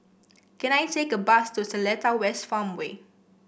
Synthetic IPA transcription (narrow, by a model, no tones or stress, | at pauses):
kɛ̃najtekəbastusəlɛtawɛstfãmwe